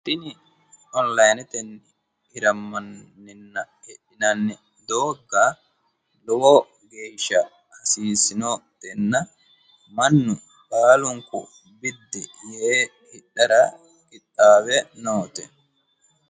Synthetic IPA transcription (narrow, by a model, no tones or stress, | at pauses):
t̪ɪnɪ | ɔnlɐjnɛt̪ɛnː | hɪɾɐmːɐnːɪnːɐ | ɛɗːɪnɐnːɪ | d̪oːɡːɐ | lɔwɔ | ɡeːʃːɐ | hɐsiːsɪnot̪ɛnːɐ | mɐnːʊ | kaːlʊŋkʊ̰ | bɪd̪ːɛ̰jɛe | hɪᶑːɐɾɐ | kɪt̪ʼːaːβɛnoːt̪ɛ